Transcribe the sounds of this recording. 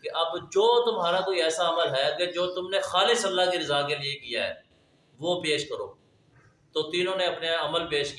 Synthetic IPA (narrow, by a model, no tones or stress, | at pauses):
keʔɐbd͡ʒoːt̪ʊmɦaːɾakoːiɛːsaɐməlɦɛked͡ʒoːt̪ʊmnexaːlɪsəlːaːkeɾɪzaːkeliekija̰ːɦɛ̰ː | ʋoːpeːʃkəɾo̰ː | t̪oːt̪iːnõːneɐpneɐməlpeːʃk